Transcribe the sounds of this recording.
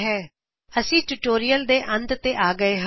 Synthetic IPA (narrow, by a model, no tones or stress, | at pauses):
ɦɛː | əsĩːʈuːʈoːɾijəld̪eːʔə̃nd̪t̪eːʔaːɡəeːɦ